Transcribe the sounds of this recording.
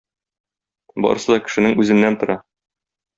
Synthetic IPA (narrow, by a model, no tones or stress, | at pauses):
bɒ̰ɾɤ̆sɤd̪ɒkɘ̥̆ʃɘ̆nɘŋʉzɘ̆nːænt̪ŏɾɑ